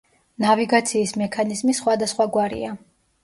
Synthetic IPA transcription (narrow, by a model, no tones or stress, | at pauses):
naviɡat̪sʰiːsmɛkʰanizmisχwad̪asχwaɡwaɾḭa